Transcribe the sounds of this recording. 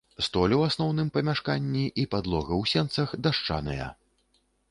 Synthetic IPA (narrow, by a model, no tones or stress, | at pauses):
st̪ɔlʲɛwasnɔwnɨmpɐmʲaʂkanʲːiʔipad̪lˠɔɣɐwsʲɛnt̪sɐxd̪aʂt͡ʂa̰nɨ̰jɐ̰